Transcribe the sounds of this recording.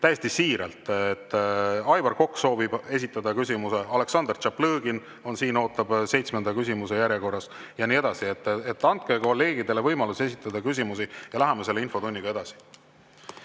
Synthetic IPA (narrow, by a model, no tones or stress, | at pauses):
t̪æjest̪isiːɾelt̪ˑet̪ːˑɑjvɑrko̞kːso̞ːvib̥e̞sʲit̪ːˑɑd̪ɑkysʲimuse̞ɑle̞ksɑnd̪̥ert͡ʃɑpːlɤːɡ̥in | o̞nsiːno̞ːt̪ːˑɑb̥se̞jt̪smend̪ɑkysʲimuse̞jæɾjeko̞rːɑs | jɑniːe̞d̪̥ɑsiet̪ːˑet̪ːˑɑnt̪̚ke̞ko̞lːe̞ːɡ̥id̪e̞le̞vɤjmɑluse̞sit̪ːˑɑd̪̥ɑkys̬ʲimusijɑlæɦemɑse̞lːeinfo̞t̪unʲːiɡɑe̞d̪̥ɑsi̥